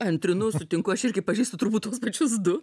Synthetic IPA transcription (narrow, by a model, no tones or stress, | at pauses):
ɐnʲt̪ʲɾʲɪnʊsʊt̪ʲɪŋkʊɐʃɪɾʲɡʲɪpɐʒʲiːst̪ʊt̪ʊɾbuːt̪t̪ːuɔspɐt͡ʃʲʊsd̪ʊ